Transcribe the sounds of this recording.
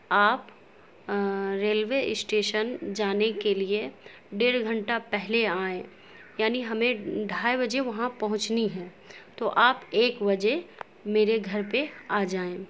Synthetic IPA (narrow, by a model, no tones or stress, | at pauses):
aːp | ɾeːlʋeɪsʈeːʃənd͡ʒaːnekelie | ɖeːɾɡʱɐ̃ɳʈapɛɦleaːẽː | jaːniɦɐmẽɖʱaːebɐd͡ʒeʋɐɦãpɐɦʊ̃t͡ʃniɦɛː | t̪oʔaːpeːkʋɐd͡ʒe | meːɾeɡʱɐɾpeaːd͡ʒaːẽː